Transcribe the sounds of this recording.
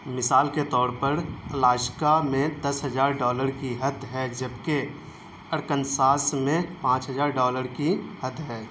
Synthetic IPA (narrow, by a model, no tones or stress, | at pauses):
mɪsaːlket̪ɔːɾpəɾəlaːʃkamẽd̪ɐsɦəd͡ʒaːɾɖɔːləɾkiɦəd̪ʱɦɛd͡ʒəbke | əɾkənsaːsmẽpãːt͡ʃɦəd͡ʒaːɾɖɔːləɾkihəd̪ɦɛː